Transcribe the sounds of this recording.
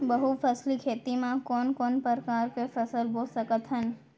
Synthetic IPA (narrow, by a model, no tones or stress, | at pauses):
bəɦufəslikʰet̪imãkɔnkɔnpəɾkaɾkefəsəlbosəkət̪ʰɦən